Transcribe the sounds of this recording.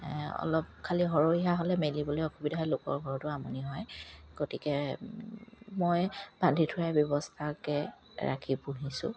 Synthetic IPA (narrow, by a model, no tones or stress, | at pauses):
ɔ̰lɔp̚kʰaliɦɔɹoiɦaɦolɛmelibɔlojɔkʰubidaɦɔjlʊkɔ̰ɹɡʱɔɹtʊamɔ̰niɦɔjɡ̥otikɛ | mɔjb̥andʱitʰʊɹajbjɔbɔstʰakɛ | ɹa̰kʰipuɦisʊ̰̃